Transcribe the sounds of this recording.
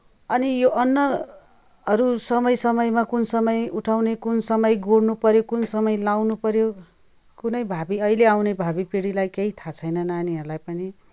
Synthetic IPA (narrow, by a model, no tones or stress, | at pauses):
ʌnijoʔʌnːʌ | ʌɾusʌmʌjsʌmʌjmakunsʌmʌjuʈʰawnekunsʌmʌjɡoɽnupʌɾjokunsʌmʌjlawnupʌɾjo | kunʌjbʱabiʌileawnebʱabipeɽilajkeit̪ʰat͡sʰʌjnʌnaniɦʌɾulajpʌni